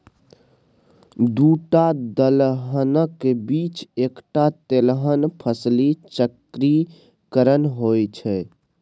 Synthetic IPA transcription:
d̪uʈad̪əlɦənəkːebit͡ʃekʈat̪elɦənpʰəslit͡ʃəkɾi | kəɾənɦojt͡ʃʰɛ

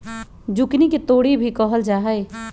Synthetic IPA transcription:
d͡ʒʊkniket̪oːɽibʱikɔɦəld͡ʒaːɦəe

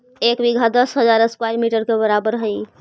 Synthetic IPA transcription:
ekbiɡʱad̪əsɦəd͡ʒaɾəskwajɾmiʈəɾkebəɾabəɾɦəj

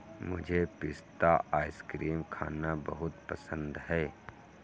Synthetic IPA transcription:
mʊd͡ʒʱepɪst̪aʔaːɪskɾiːmkʰa̰ːnabəɦʊt̪pəsə̃nd̪ɦɛː

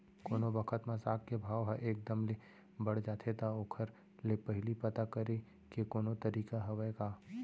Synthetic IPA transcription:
koːnobɐkʰət̪mãsaːkkebʱaːʋɦɐʔeːk̚d̪əmle | bɐɽ̤d͡ʒaːt̪ʰet̪aoːkʰəɾ | lepɐɦɪlipɐt̪akɐɾe | kekoːnot̪ɐɾiːkaɦɐʋəjkaː

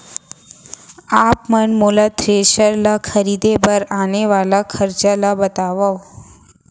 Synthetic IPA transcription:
apmənmolat̪ɾeʃəɾlakʰəɾid̪ebəɾaneʋalakʰəɾt͡ɕalabət̪aʋaʋ

